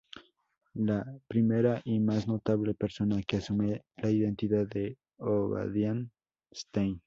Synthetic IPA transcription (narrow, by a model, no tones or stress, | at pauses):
lapɾimeɾaʔimazno̞t̪aβle̞peɾso̞nakeasumelaiðent̪iðae | oβa̰ðjan | st̪en